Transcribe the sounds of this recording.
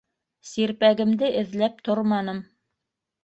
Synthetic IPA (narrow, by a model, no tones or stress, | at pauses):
siɾpæɡɘ̆md̪ɘʔɘ̆ðlæp̚t̪oɾmɑnɤm